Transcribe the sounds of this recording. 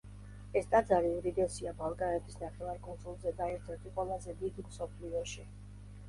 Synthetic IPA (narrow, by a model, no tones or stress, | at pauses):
ɛst̪ʼad̪zaɾiuɾid̪ɛsiabalˠkʼaɛbisnaχɛvaɾkʼɔnsʼulˠzɛd̪aɛɾt̪ʰɛɾt̪ʰiqʼwɛlˠazɛd̪id̪msɔpʰliɔʃi